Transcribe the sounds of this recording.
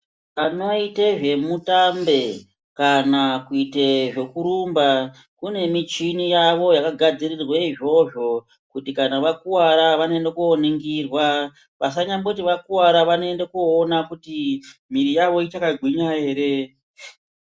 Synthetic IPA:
ano̞iteʐe̞mutambe̞ | kanakuiteʐe̞kuɾumba | kune̞mit͡ʃinijaʋo̞jakaɡʱad͡zirirweiʐo̞ʐo̞ | kutikanaʋakuwaɾaʋanoendekuoniŋɡirwa | ʋas̬aɲambokutiʋakuwaɾaʋanoende̞kuonakutimiɾijaʋo̞itakaɡʱwiɲae̞ːɾe̞

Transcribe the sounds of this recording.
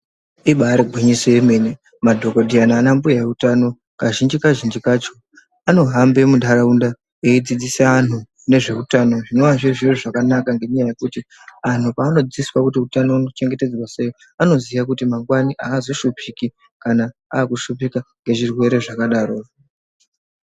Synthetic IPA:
iɓaɾeɡʱwiɲisojeme̞ːne | madʱo̞kodʱianaːnambujaeutano̞ | kaʒind͡ʒikaʒind͡ʒikaːt͡ʃo̞ | ano̞ɦambe̞mudʱaɾaunda | eid͡zid͡zisaanu | ne̞ʐe̞utano̞ʐino̞waʐiʐiruʐakanakaŋɡe̞ɲajaje̞kuti | an̤upaːno̞d͡ziswakutiutano̞uno̞t͡ʃe̞ŋɡe̞te̞d͡zwase̞jo | ano̞zijak̬utimaŋɡwaniʔaːzo̞ʃupiki | kanaaːkuʃupikaŋɡe̞ʐirwe̞ɾe̞ʐakaɗaːɾo

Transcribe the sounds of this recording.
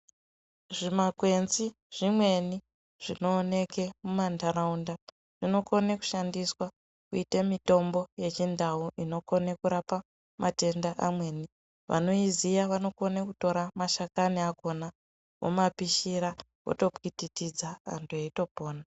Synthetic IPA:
ʐimakwe̞nzi | ʐ̥imwe̞ni | ʐ̥ino̞ːne̞ke̞mumandaraunda | ʐ̥ino̞ko̞neku̥ʃandiswa | kuitemito̞mbo̞je̞t͡ʃindauʔino̞ko̞nekuɾapa | mʔate̞ndaʔamwe̞ːni | ʋʔa̰no̞izijaʋano̞konekuto̞ɾamaʃakaniako̞na | wo̰mapiʃiɾa | ko̰to̞pititid͡zaa̰ntʰuaito̞po̞ːna

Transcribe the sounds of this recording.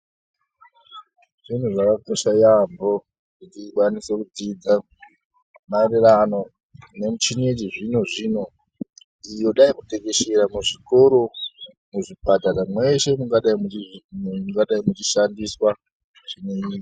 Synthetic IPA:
ʐ̥in̤uʐakakoʃajambo̞ | kutikwanisekud͡zid͡za | marirano̞ | ne̞mut͡ʃinediʐinoʐiːno̞ | ijo̞ɗaikutekeʃeɾamuʐiko̞ɾo̞ | muʐipataɾamwe̞ʃe̞muŋɡaɗaimu | uŋɡaɗaimut͡ʃiʃandiswa | ʐineiːk

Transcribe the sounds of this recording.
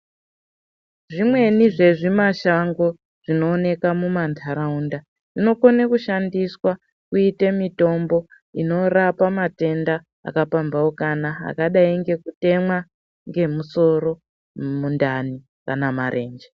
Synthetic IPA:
ʐimwe̞niʐe̞ʐimaʃaŋɡo̞ | ʐ̥ino̞ːne̞kamumantʰaɾaunda | ʐino̞konekuʃandiswa | kuitemito̞mbo̞ | ino̞rapamate̞nda | a̰kapambaokanaa̰kaɗaiŋɡe̞kute̞mwa | ŋɡe̞muso̞ɾo̞ | mundani | kanamaɾʔe̞̰ːnd͡ʒe

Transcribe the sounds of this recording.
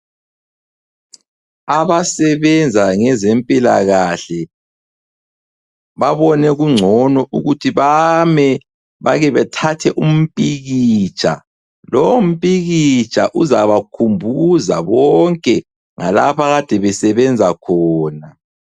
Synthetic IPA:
aβasɛβɛnd͡zʱaŋɛzempʼilaɣaɬɛ | βaβɔnɛɣuŋ͡ǀʱɔnɔʔuɣutʰiβamɛ | βaɣɛβɛtʰatʰɛʔum̩pʼiɣit͡ʃʼʰa̰ | lom̩pʼiɣit͡ʃʼa̰ʔuzaβakʰumbʱuza̰βɔŋkʼɛ | ŋa̰lapaɣad̥ʱɛβɛsɛβɛnd͡zʱakʰɔːna

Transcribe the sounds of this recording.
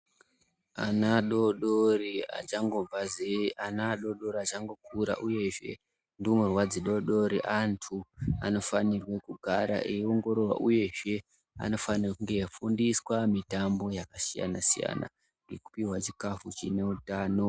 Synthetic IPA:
a̰naɗoɗoria̰t͡ʃaŋɡo̞b͡vazeanaɗo̞ɗo̞ɾiat͡ʃaŋɡo̞kʰuɾa̰ʔuje̞ʐe̞̰ | ndiomurwad͡ziɗo̞ɗo̞ɾiʔantʰua̰no̞fanirwekuɡʱaɾa̰ʔeo̞ŋɡo̞ɾo̞rwa̰ʔuje̞ʐe̞ | a̰no̞fanrakuŋɡe̞jafundiswamitambo̞jakasija̰na̰sija̰na̰ | ŋɡe̞ku̥piwat͡ʃikafut͡ʃineutaːno̞

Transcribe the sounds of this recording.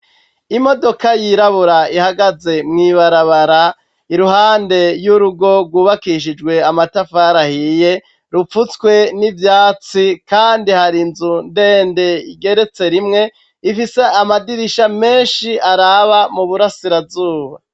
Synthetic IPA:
imo̞do̞kajiɾaβuɾaihaɡaze̞mŋiβaɾaβaɾa | iɾuɦaːnde̞juɾuɡo̞ɾɡwuːβakiʃ̬id͡ʒɡwe̞amatafaːɾahije̞ | ɾup͡fut͡skwe̞nivjaːt͡sikaːndihaɾinzunde̞ːnde̞iɡe̞ɾe̞t͡se̞ɾimŋe̞ | ifise̞amadiɾiʃame̞ːnʃiʔaɾaβamuβuɾasiɾavzuːβa̰

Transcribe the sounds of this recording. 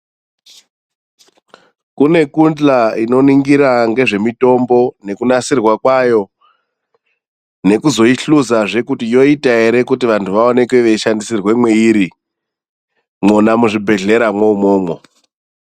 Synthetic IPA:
kune̞kund͡ɮaino̞niŋɡiɾaŋɡe̞ʐe̞mito̞mbo̞ne̞kunasirwakwajo̞ | ne̞kuzo̞iɬuzaʐe̞kutijo̞itaɦe̞ɾe̞kutiʋantʰuʋaone̞kweʋe̞ʃandisirwe̞mwe̞iɾi | monamuʐibʱe̞ɮe̞ɾamwoumo̞ːmo̞

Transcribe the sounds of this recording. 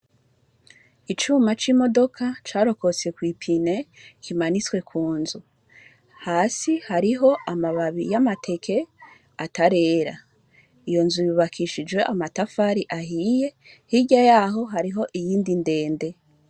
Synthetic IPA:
it͡ʃuːmat͡ʃiːmo̞do̞kʰat͡ʃaːɾo̞ko̞t͡se̞kwiːpʰine̞kimanit͡swe̞kʰuːnzu | haːsihaɾiɦo̞ʔamaβaβḭjamatʰe̞kʰe̞ | ataɾe̞ːɾa | ijo̞nzujuβakʰiʃid͡ʒwe̞ʔamatafaɾiʔaɦiːje̞ | hiɟajaɦo̞ɦaɾiɦo̞ʔijiːndinde̞ːnde̞

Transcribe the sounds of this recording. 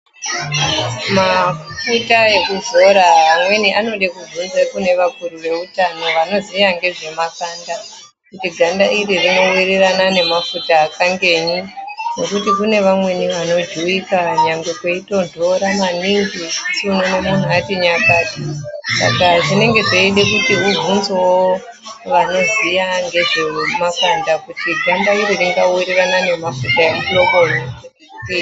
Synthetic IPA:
mafutae̞kuzo̞ɾaamwe̞niʔano̞ɗekuvunzekune̞ʋakuɾuʋe̞utano̞ʋano̞ziaŋɡe̞ʐe̞makaːnda | kutiɡʱandaiɾirino̞wiriranane̞mafutaːkaŋɡe̞ːɲino̞kutikune̞ʋamwe̞niʋano̞d͡ʒiwikaɲaŋɡwekweito̞ndʱo̞ɾamaniŋɡikinonemun̤uatiɲakaːtisa̰kaʐine̞ŋɡe̞ʐoiɗe̞kutiɦuvʱunzowo | ʋano̞zijaŋɡe̞ʐe̞makwandakutidʱandaiɾiriŋɡawiɾiranane̞mafutajamulokorei | upiː

